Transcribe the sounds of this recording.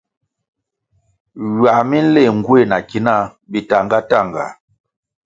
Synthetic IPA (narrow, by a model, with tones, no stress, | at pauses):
ɥa˨mi˦n̩˦le˦˨ŋ˨ɡwe˦˨na˨ki˨˦na˦ | bi˨ta˨ŋɡa˦ta˦˨ŋɡa̰˨